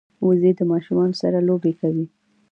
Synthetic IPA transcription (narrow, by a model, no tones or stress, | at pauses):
uzed̪əmɑʃumɑnosaɾalobekawi